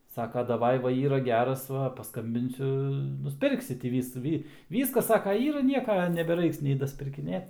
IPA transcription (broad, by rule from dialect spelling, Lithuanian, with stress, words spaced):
ˈsɑːkɐ dɐˈʋɐɪ ˈʋɐ ˈiːrɐ ˈɡʲæːrɐs ˈʋɐ pɐsˈkɐmʲbʲɪnʲsʲʊ nʊsʲˈpʲɪrksʲɪ tʲiː ˈʋʲiːsʊ ˈʋʲiː ˈʋʲiːskɐs ˈsɑːkɐ ˈiːrɐ ˈnʲiɛkɐ nʲɛbʲɛˈrɐɪks nʲɛɪ dɐsʲpʲɪrʲkʲɪˈnʲeːt